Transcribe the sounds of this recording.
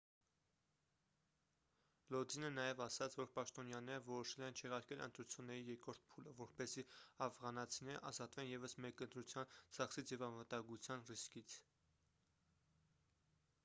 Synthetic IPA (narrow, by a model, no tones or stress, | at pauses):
lɔd̪inənɑjɛvɑsɑt͡sʰvɔɾpɑʃt̪ɔnjɑnɛɾəvɔɾɔʃɛlɛnt͡ʃʰɛʁɑɾkɛlʔə̰nt̪ɾut͡sʰjunːɛɾijɛɾkɾɔɾt̪̚ʰpʰuləvɔɾpɛziɑfʁɑnɑt͡sʰinɛʔɑ̰zɑt̪vɛnjɛvəsmɛkənt̪ɾut͡sʰjɑnd͡zɑχsit͡sʰjɛvɑnvət̪ɑŋɡut͡sʰjɑnriskit͡sʰ